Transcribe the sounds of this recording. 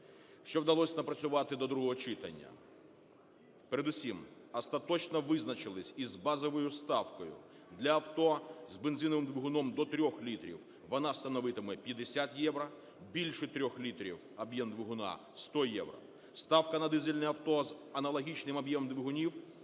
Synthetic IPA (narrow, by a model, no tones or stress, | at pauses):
ʃt͡ʃɔwd̪ɐlˠɔsʲnɐpɾɐt͡sʲsʲʊʋɑt̪ɪd̪ɔd̪ɾuɦɔɦɔt͡ʃɪt̪ɐ̰nʲːɐ̰ | peɾed̪ʊsʲim | ɐst̪ɐt̪ɔt͡ʃnɔʋɪznɐt͡ʃɪlˠɪsʲizbɑzɔʋɔjʊst̪ɑwkɔjʊ̰ | d̪lʲɐːwt̪ɔzbenzinɔʋɪmd̪ʋʲɪɦʊnɔmd̪ɔt̪ɾʲɔxlʲit̪ɾʲḭw | ʋɔnɑst̪ɐnɔʋɪt̪ɪmɛpʲjɐd̪esʲat̪jɛʋɾɐ | bʲilʲʃɛt̪ɾʲɔxlʲit̪ɾʲḭwɐbjɛmd̪ʋɪɦʊnɑ̰ | st̪ɔjɛ̰wɾɐ̰ | st̪ɑwkɐnɐd̪ɪzɪlʲnɛɐwt̪ɔzɐnɐlˠɔɦʲit͡ʃnɪmɐbjɛmmd̪ʋʲɪɦʊnʲiw